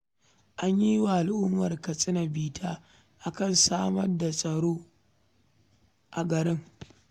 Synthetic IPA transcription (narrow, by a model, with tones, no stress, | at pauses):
ʔa˦ɲji˦wa˨ʔa˨lʔʊ˦mːɐ˨rkɐ˨sʼɪ˦na˨biː˨tʰaː˦ | ʔa˨kɐ˦˨nsaː˦mɐ˦rda˨sʼɐ˨ɽoː˦ | ʔa˨ɡɐ˨ɾɪ˦ŋ